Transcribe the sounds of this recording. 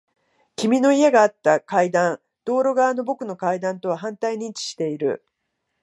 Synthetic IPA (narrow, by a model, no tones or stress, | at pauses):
kʲimʲino̞ie̞ɡaːt̪ːakaid̪ãn | d̪̥o̞ːɾo̞ɡaβano̞bo̞kɯ̟no̞kaid̪ãnt̪o̞β̞aɦãnt̪aiɲ̟ĩɲt͡ɕi̥ɕi̥t̪e̞iɾɯ̟̰